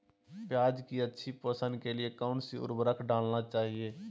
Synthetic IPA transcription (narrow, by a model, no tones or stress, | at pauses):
pjaːd͡ʒkiətːʃʰipəsə̃nd̪keliekaʊnsiʊ̰ɾbɾəkʰɖaːlnat͡ʃaːɦieː